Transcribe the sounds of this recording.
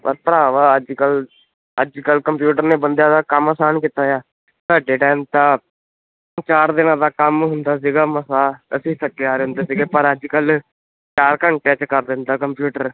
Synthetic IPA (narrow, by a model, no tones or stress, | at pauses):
pə̰ɾpəɾaːʋaːəd͡ʒkəl | əd͡ʒkəlkəmpjuːʈəɾneːbənd̪jãːd̪aːkəməsaːnkɪt̪aːjaː | saːɖeːʈɛːmt̪aː | t͡ʃaːɾd̪ɪnãːd̪aːkəmɦʊnd̪aːs̬iːɡaːməsaːəsĩːsəkːeaːɾeːɦʊnd̪eːsiːɡeːpəɾəd͡ʒkəl | t͡ʃaːɾkəɳʈeːt͡ʃkəɾd̪ɪnd̪aːkəmpjuːʈəɾ